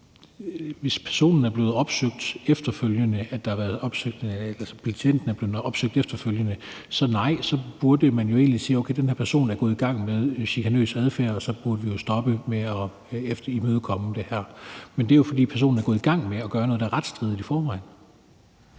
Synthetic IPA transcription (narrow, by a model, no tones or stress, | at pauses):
ʋe̝spʰæɐso̝̰ːnn̩æɐb̥le̝ːð̩ˠɒ̽b̥søɡ̥̚d̥efd̥ɐføljənəʔæd̥ɑhɑʋæːɐðˠɒ̽b̥søɡ̥̚d̥æsɐpʰæt͡sʰen̰d̥n̩æɐb̥le̝ːð̩ɒ̽b̥søɡ̥̚d̥efd̥ɐføljənə | sɒ̽nɑ̈ɪ̰sɒ̽b̥uɐd̥əmænjo̝e̝̰ːnlisiːoʊkʰeɪd̥enhæɐpʰæɐso̝̰ːnæɐɡ̥ɔ̽ːðˠiɡ̥ɑ̈ŋ̰með̞ˠɕikʰænø̰ːsæðˠfæ̰ɐɒsɒ̽b̥uɐd̥əʋijo̝sd̥ɒ̽b̥əmeɒ̽ | efd̥imøːðˠkʰɒ̽məd̥e̝hæɐ̰mend̥e̝jofɒd̥ḭːpʰæɐso̝̰ːn̩æɐɡɔ̽ð̩ˠiɡ̥ɑ̈ŋ̰meɒ̽ɡ̥ɶːɐnɔð̩ˠdɑæʁɑ̈d̥sd̥ʁið̥ˠifɒːʋɑ̈ɪ̰n